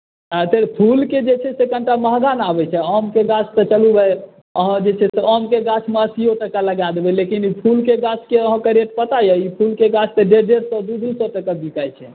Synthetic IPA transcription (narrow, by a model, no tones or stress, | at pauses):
at̪eɾpʰulked͡ʒet͡ʃʰɛsekəɳʈaməɦɡanabɛt͡ʃʰɛəmkeɡat͡ʃʰt̪ət͡ʃəlubɛj | əɦãd͡ʒet͡ʃʰɛseɔmkeɡat͡ʃʰmeəsijot̪əkaləɡad̪ebelekinipʰulkeɡat͡ʃʰkeəɦãkəɾeʈpət̪ajɛipʰulkeɡat͡ʃʰt̪əɖeɾɖeɾsəd̪ud̪usõt̪əkəbikajt͡ʃʰɛ